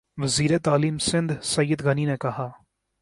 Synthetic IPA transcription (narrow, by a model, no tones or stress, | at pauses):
ʋɐziːɾet̪aːliːmsɪ̃nd̪sɐjːəd̪ɣəninekɐɦaː